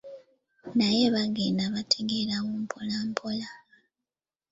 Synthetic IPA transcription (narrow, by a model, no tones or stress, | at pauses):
naje̞βaɡenaβatʰeɡe̞ɾaɣumpʰolampʰola